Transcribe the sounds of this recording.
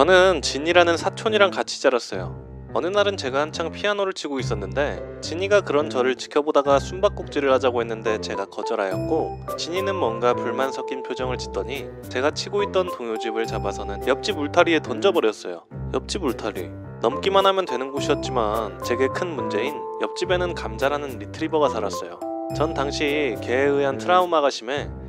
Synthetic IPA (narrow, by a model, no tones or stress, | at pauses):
t͡ɕʌnɯnt͡ɕiɲiɾanɯnsʰat͡ɕʰoɲiɾaŋkat͡ɕʰi̥t͡ɕ͈aɾas͈ʌ̰jo̰ | ʌnɯnaɾɯnt͡ɕe̞ɡahant͡ɕʰaŋpʰianoɾɯɭt͡ɕʰiɡois͈ʌnːɯnde̞t͡ɕiɲiɡakɯɾʌnt͡ɕʌɾɯɭt͡ɕi̥kʰjʌbodaɡasʰumbak̚k͈uk̚t͡ɕ͈iɾɯɭhad͡ʑaɡoɦe̞nːɯnde̞t͡ɕe̞ɡakʌd͡ʑʌɾajʌt̚k͈ot͡ɕiɲinɯnmwʌnɡapuɭmansʰʌk͈inpʰjod͡ʑʌŋɯɭt͡ɕi̥t͈ʌɲi | t͡ɕe̞ɡat͡ɕʰiɡoit̚t͈ʌntoŋjod͡ʑibɯɭt͡ɕabasʰʌnɯnjʌp̚t͡ɕ͈imuɭtʰaɾie̞tʌnd͡ʑʌbʌɾjʌs͈ʌjo̰jʌp̚t͡ɕ͈ibmuɭtʰaɾḭ | nʌmk͈imanɦamjʌntwe̞nɯnɡoɕʰiʌt̚t͡ɕ͈imant͡ɕe̞ɡe̞kʰɯnmund͡ʑe̞injʌp̚t͡ɕ͈ibe̞nɯnkamd͡ʑaɾɦanɯnɾitʰɯɾibʌɡasʰaɾas͈ʌ̰jo̰t͡ɕʌntaŋɕʰike̞ːɯantʰɯɾaumaɣaɕʰime̞